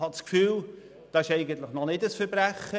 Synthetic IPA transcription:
hɑtt͡skfyːl | d̥ɑɪʃɛɪɡəntləχnɔnɪdəsfəɾbɾæχə

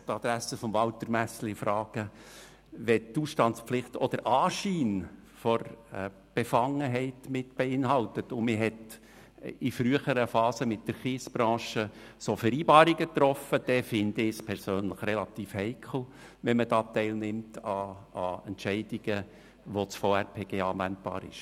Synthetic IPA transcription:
t̪ɑd̥̪ɾæsəfɔmvɑlt̪əɾmæsl̩ɪfɾɑːɡ̥ə | ʋɛtuːsʃtɑnt͡spflɪχt̪ɔd̪əɾʔɑːʃiːn | fɔɾ | b̥efɑŋəɦɛɪtmɪtb̥eɪnɦɑltətʊmɪɦɛt | ifɾyəχəɾəfɑːsəmɪt̚d̥əɾχiːsb̥ɾɑ̃ːʃə | sofɛɾiːbɑːɾiɡət̪ɾɔfəd̥ɛfɪnd̥̪əɪspʰɛɾsøːnləχrɛlɑtiːfhɛɪkʰl̩ˠ | ʋɛmədɑːt̪ɛɪlnɪmtɑɑɛntt͡ʃɛɪd̥iɡ̥ə | ʋot͡sfoɛɾpʰeːɡ̥eːɑːæntb̥ɑ̰ːɾɪ̰ʃ

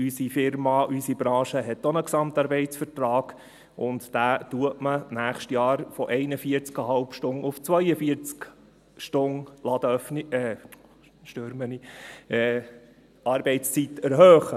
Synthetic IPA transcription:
ysifɪɾmɑʔysib̥ɾɑ̃ːʃəɦɛt̪onəksɑmt̪ɑːɾbɛɪt͡sfəɾtɾɑːɡ̥ | ʔʊnt̪d̪̥æːtuətmənæːχʃtjɑːɾfɔʔɛɪnəfiəɾt͡skɑɦɑlpʃtʊnʊft͡sʋœjəfiəɾt͡sk | ʃtʊnlɑd̪əœfnɛ | ʃtøɾməni | ɑːɾbɛɪt͡st͡sitæɾɦøːχə

